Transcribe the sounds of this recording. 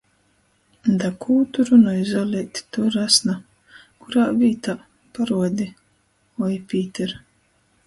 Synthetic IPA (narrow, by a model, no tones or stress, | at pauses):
d̪akʰuːt̪uɾunɔjzalʲɛt̪ʲt̪uɾasna | kuɾaːvʲiːt̪a | paɾuɔd̪ʲi | ɔjpʲiːt̪ʲɛɾ